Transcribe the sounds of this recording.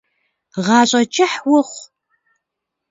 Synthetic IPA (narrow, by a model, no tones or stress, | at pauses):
ʁɑːɕʼɐt͡ʃʼɪħwʊχʷ